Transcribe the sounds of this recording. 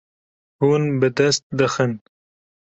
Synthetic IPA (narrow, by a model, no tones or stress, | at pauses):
hunbəd̪ɐst̪̚d̪əxən